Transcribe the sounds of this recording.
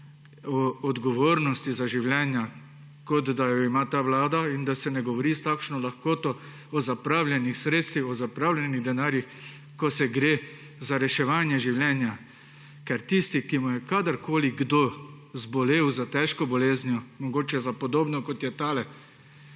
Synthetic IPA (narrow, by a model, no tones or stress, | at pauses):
ɔɔd̪ɡɔʋoːɾnɔst̪izaʒiwljɛːnja | kɔt̪d̪ajɔimat̪aːʋlaːd̪aind̪asɛnɛɡɔʋɔɾist̪akʃnɔlaxkoːt̪ɔ | ɔzapɾaːwlʲjɛnixsɾeːt̪st̪ʋixɔzapɾaːwlʲjɛniɣd̪ɛnaːɾjix | kɔsɛɡɾeː | zaɾɛʃɛʋaːnjɛʒiwljɛːnja | kɛɾt̪ist̪ikimujɛkad̪əɾkʰoːliɡd̪oː | zbɔleːwzat̪ɛʃkɔbɔleːznjɔmɔɡoːt͡ʃɛzapɔd̪oːbnɔkɔt̪jɛt̪aːlɛ